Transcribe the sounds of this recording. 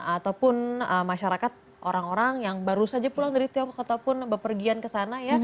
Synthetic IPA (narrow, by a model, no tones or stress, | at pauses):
at̪awpʊnəmaʃaɾakat̪̚ | ʔoɾaŋoɾaŋjaŋbaɾusad͡ʒapulaŋdəɾit̪iɔŋkɔkat̪awpʊnbəpərɡiankəsanaja